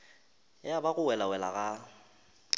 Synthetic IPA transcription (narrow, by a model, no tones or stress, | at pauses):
jabaɣʊwɛlawɛla̰ɣa